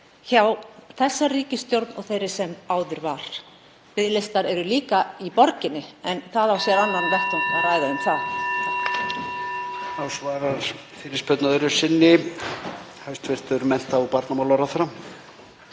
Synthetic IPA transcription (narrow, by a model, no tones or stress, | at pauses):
çaːwθɛsːariːcɪst̪jowɾt̪nɔɣθejɾɪ̥sɛmaːwðʏɾvaɾ̥ | pɪðlejst̪aɾɛɾʏliːkaipɔɾcɪnːɪɛnθaðawsjɛɾanːanvɛht̪ʏnaraːjðaʏmθað | awsvaːɾaɾ̥ | fɪɾɪɾ̥spœt̪naðʏɾʏ̥sɪnːɪ | hœɥst̪vɪr̥t̪ʏɾmɛn̥t̪avpaɾt̪namalaɾaθɾam